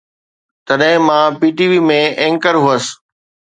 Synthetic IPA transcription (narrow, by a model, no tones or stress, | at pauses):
t̪ɐɗɦɪ̃mãːpiːʈiʋiːmẽẽːŋkəɾɦuəs